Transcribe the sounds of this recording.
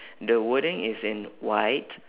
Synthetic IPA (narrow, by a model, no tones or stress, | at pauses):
d̪əwʊɾɪ̃ŋɪzɪ̃nwaɪt